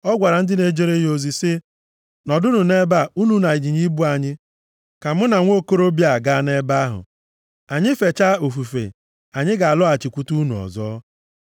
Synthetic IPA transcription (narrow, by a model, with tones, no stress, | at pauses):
ɔ˦ɡʷa˨ɾa˨n̩˦dɪ˦ne˨d͡ʒe˦ɾe˦o˨zi˨sɪ˦ | nɔ˨dʊ˦nu˨ne˦ba˦u˦nu˦na˨i˨d͡ʒi˨ɲi˦bu˦a˨ɲɪ˦ | ka˨mʊ˦na˨ŋʷo˦ko˦ɾo˦bja˨ɡa˦˨ne˦ba˦ɦʊ̰˨ | a˨ɲɪ˦fe˨t͡ʃa˦o˨fu˨fḛ˨ | a˨ɲɪ˦ɡa˨a˨lɔ˦a˨t͡ʃi˨kʷu˦tu˦nu˨ɔ̰˨zɔː˦